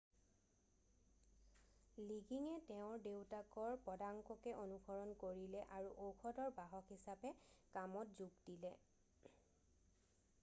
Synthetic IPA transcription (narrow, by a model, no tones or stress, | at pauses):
liɡiŋɛtɛʊ̃ɹdewtakɔɹpɔdaŋkɔkɛʔonuɡɔɹɔnkoɹilɛʔaɹuʔoxʰɔdɔɹbaɦɔkɦisapɛkamɔt̚zuɡdilɛ